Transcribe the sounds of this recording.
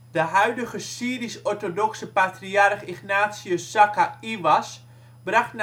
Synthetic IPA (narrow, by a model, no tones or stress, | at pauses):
d̥əɦœɥdəɣəsiəɾisɔrtodɔksəpatriarχixnaːtsjəsakaiʋas | braxtn